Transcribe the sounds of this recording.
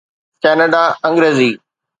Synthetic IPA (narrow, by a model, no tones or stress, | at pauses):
kɛːnəɖaɐ̃ŋɡɾeːziː